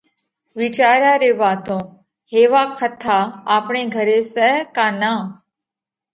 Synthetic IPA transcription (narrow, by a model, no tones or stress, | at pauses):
ʋit͡ɕaːɾjaːɾeʋaːt̪õː | heːʋakʰət̪ʰːaapɳeɡʱəɾesɛɦkaːna